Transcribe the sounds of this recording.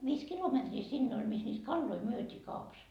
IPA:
ʋiːs kilometriː sinːe olʲ mis niːt kɑlːoi myøtiː kɑupɑs

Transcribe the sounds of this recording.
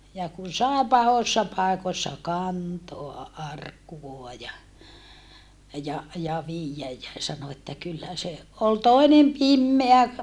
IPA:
jɑ kun̞ sɑˑe pɑhosːɑ pɑˑekosːɑ kɑntoɑ ʔɑrkːuʋoɑ jɑ jɑ jɑ ʋiːjːæj jæ sɑno etːæ kylːæ se ol toinem pimːeæ

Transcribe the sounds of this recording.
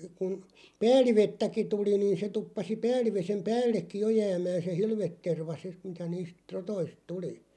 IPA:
kun pæːlˑiʋetːæki tuli niːn̞ se tupːɑsi pæːlˑiʋesem pæːlːekːi jo jæːmæːn̞ se hilʋetːerʋɑ sit mitæ niːst rotoist tuli

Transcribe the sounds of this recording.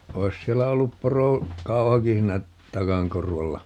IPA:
oi̯s sielːæ olːup poro kɑuhɑki hiːnæ tɑkɑŋ korʋɑlːɑ

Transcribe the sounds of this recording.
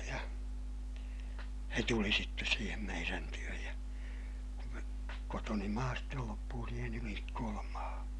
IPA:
jɑ se tuli sitːes siːhem meiræn tyøj jɑ kotoni mɑː stel lopːuː siːhen ylinikːoːlɑm mɑːhɑ̃ː

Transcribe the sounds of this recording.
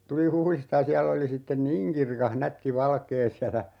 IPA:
tul huhlistɑ jɑ siælː oli sitːen niːŋ kirkɑh nætːi ʋɑlkeː siælæ

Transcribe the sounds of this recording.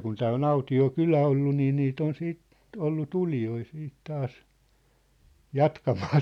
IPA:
kun tæː on ɑutio kylæ olːu niː niːt on siːt olːu tulijoi siːt tɑːs jɑtkɑmɑː

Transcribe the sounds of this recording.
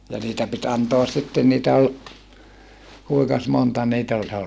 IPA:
jɑ niːtæ pit ɑntoɑs sitːen niːtæ ol kuikɑs montɑ niːt olʲ

